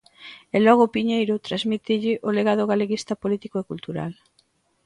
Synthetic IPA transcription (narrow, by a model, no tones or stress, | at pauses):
elɔɣ̞oʊpiɲejɾʊt̪ɾazmit̪eʎɪʔoleɣað̞ʊɣ̞aleɣist̪apolit̪ikoekult̪uɾa̰l